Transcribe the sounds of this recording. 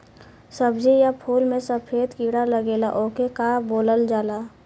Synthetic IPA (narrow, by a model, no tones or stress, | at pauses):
səbd͡ʒijapʰuːlmẽsəpʰeːt̪kiːɽaləɡeːla̰ʔoːkekaːboːləld͡ʒaːlaː